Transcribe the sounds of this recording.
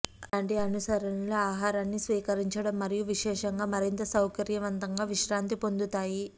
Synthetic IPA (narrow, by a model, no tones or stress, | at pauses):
laːɳʈiɐnusɐɾɐnɐloaːɦaːɾaːnːisʋiːkɐɾiɲt͡ʃɐɽɐmːɐɾijuʋiʃɛːʂɐŋɡaːmɐɾint̪ɐsɐwkɐɾjɐʋɐnt̪ɐŋɡaːʋiʃɾaːnt̪ipo̞nd̪ut̪aːji